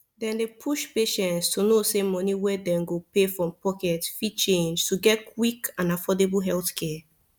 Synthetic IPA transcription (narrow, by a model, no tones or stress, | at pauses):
dɛ̃ndepʰuʃpeʃɛ̃ntstʰunosemɔniwɛdɛ̃mɡopefɹɔ̃mpɔkɛtfit͡ʃẽnd͡ʒtuɡɛtkʰwikãnafɔdeblɦɛlθkʰɛ